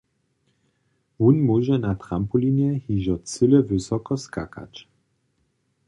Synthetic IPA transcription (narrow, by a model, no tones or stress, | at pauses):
vunmuʒɛnat̪ɾampulinɛhiʒɔt͡sɘlɛvɘsɔkɔska̰ka̰t͡ʃ